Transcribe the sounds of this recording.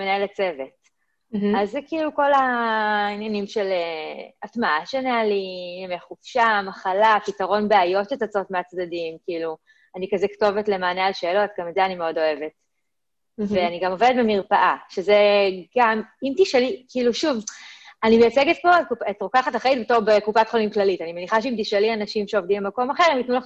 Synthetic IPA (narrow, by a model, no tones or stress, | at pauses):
menaelet͡se̞ve̞t̚ | azkiiluko̞lainjanimʃeleatmaaʃeanealinameχufʃamaχalapitaʁo̞nbeajo̞tlet͡sat͡so̞tmeat͡sd̪adimkiiːlu | anikazɛkto̞vetlemaːnealʃe̞ːlo̞t̚ɡametzeanimeo̞do̞e̞ve̞t̚ | veaniɡamo̞vedetbemiʁpaʔaʃezeɡamimtiʃelikiiluʃuvanimejat͡seɡet̚po̞etkuetʁokaχataχʁeit̪̚betoʁbekupatχolimklalitanimeniχaʃeimt̪iʃelianaʃimʃeovdimbemako̞maχeʁemjitnulaχ